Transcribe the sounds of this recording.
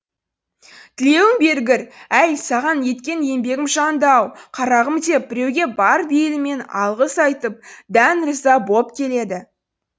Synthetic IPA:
t̪ʰɪle̞wɪŋbe̞ɾɡʲɪɾæjsɑʁɑnje̞t̪kʲe̞nje̞mbe̞ɡʲɪmʒɑnd̪ɑwqʰɑɾɑʁəmd̪e̞p̚bɪɾe̞wɡʲe̞bɑɾbelɪme̞nɑ̰lˠʁəsɑjt̪əp̚d̪ænɾəzɑbo̞pkʲʰe̞le̞d̪ɪ

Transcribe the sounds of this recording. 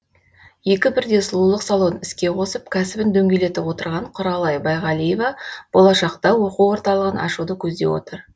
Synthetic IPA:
je̞kʲɪbɪɾd̪e̞sʊlˠulˠəqsalˠo̞nɪskʲe̞qʰo̞səp̚kʲʰæsɪbɪnd̪ɵŋɡʲe̞le̞t̪ɪpwo̞t̪əɾʁɑɴqʰʊɾɑlˠɑjbɑjʁɑlˠijevɑb̥o̞lˠɑʃɑqt̪ɑwo̞quwwo̞ɾt̪ɑlˠəʁənʔɑ̰ʃud̪əkʲʰɵzd̪e̞̰wo̞̰t̪əɾ

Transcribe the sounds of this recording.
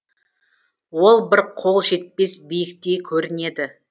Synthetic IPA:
wo̞lˠbɪɾqʰo̞lˠʃe̞t̪̚pe̞sbijɪkt̪e̞kʲʰɵɾɪne̞d̪ɪ

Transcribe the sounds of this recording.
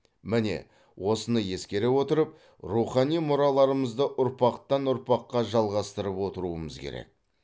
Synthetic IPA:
mɪne̞̰ | wʔo̞sənəje̞skʲe̞ɾewo̞t̪əɾəp̚ | ruχɑnijmʊɾɑlˠɑɾəməzd̪əʔʊɾpɑqt̪ɑnʊɾpɑqːɑʒɑlˠʁɑst̪əɾəpwo̞t̪əɾuəməzkʲʰḛɾḛk̚

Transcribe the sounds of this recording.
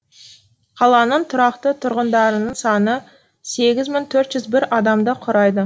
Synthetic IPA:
qʰɑlˠɑnəɴt̪ʰʊɾɑqt̪ət̪ʰʊɾʁənd̪ɑɾənəɴsɑnə | se̞ɡʲɪzmɪŋt̪ʰɵɾt̪ʒ̥ʏzbɪɾɑd̪ɑmd̪əqʰʊɾɑjd̪ə

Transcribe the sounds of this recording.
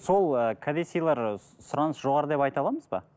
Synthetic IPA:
so̞lˠəkʰad̪esʲijlˠɑɾ | sʊɾɑnəsʒo̞ʁɑɾəd̪epɑjt̪ɑlˠɑməzbɑ̰

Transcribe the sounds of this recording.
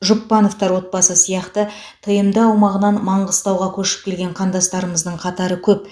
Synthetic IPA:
ʒʊpːɑno̞ft̪ɑɾwo̞t̪̚bɑsəsijɑqt̪ə | t̪ʰəjəmd̪əɑwmɑʁənɑnmɑɴʁəst̪ɑwʁɑkʲʰɵʃɪ̥p̚kʲʰe̞lɡʲe̞ɴqʰɑnd̪ɑst̪ɑɾəməzd̪əɴqʰɑt̪ɑɾəkʲʰɵp̚

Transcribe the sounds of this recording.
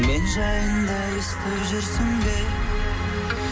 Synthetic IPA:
me̞nʒɑjənd̪ɑ | ʏst̪epʒʏɾsɪŋd̪ej

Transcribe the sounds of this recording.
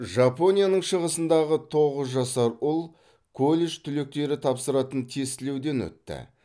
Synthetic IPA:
ʒɑpo̞nʲijanəɴʃəʁəsənd̪ɑʁət̪ʰo̞ʁəzʒɑsɑɾʊlˠ | kʰo̞lʲeʃt̪ʰʏle̞k̚t̪e̞ɾɪt̪ʰɑpsəɾɑt̪ənt̪ʰest̪ɪle̞wd̪e̞nwɵ̰t̪ːɪ̰

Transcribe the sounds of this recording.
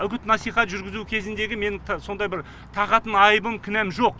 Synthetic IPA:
ʏɡʲɪt̪nɑsijχɑt̪ʒʏɾɡʲɪzukʲʰe̞zɪnd̪e̞ɡʲɪme̞nɪŋso̞nd̪ɑjbɪɾ | t̪ʰɑqɑt̪ənɑjbəmkʲʰʏnæmʒo̞q̚

